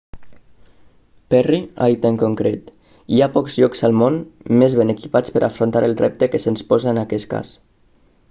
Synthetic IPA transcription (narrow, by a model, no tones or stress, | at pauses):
pɛria̰it̪əŋkoŋkɾet̪ | iapɔkzʎɔkzalˠmonmezβenəkipat͡spəɾʔa̰fɾont̪aɾəlˠrɛp̚t̪əkəsənspɔzaənakɛska̰s